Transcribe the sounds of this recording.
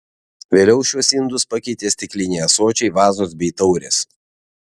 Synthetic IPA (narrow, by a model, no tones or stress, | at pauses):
ʋʲeːlʲɛʊʃʲuɔsʲɪnd̪ʊspɐkʲɛɪt̪ʲeːsʲt̪ʲɪklʲɪnʲɛɪɐsoːt͡ʃʲɛɪʋɑːzoːs̬bʲɛɪt̪ɔʊɾʲḛːs